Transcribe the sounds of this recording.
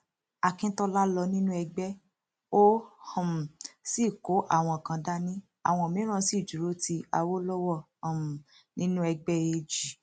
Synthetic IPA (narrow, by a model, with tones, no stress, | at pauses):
a˨kĩ˦tɔ˧la˦lɔ˧nĩ˦nũ˦ɛ˧ɡ͡bɛ˦ | o˦hsi˦˨ko˨˦ʔa̰˦˨w̃ɔ̃˧˨kã˧da˦nĩ˦ | a̰˦˨w̃ɔ̃˧˨mĩ˨˦ɾ̃ã˦si˦˨d͡ʒu˨ɾo˦ti˧a˧wo˦lɔ˦wɔ̃˦˨ | m˨ | nĩ˦nũ˦ɛ˧ɡ͡bɛ˦e˧d͡ʒi˨